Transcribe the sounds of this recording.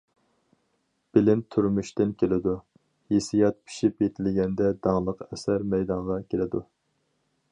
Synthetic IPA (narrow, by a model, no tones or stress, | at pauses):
b̥ɪlɪnt̪ʰyɾmyʃt̪ɪnkʲʰelɪd̪u | jesijɑt̪̚pʰi̥ʃipjet̪ʰɪlɡʲɛnd̪ɛd̪ɑŋlˠəqɛsæɾmɛjd̪ɑɴʁɑkʲʰelɪd̪u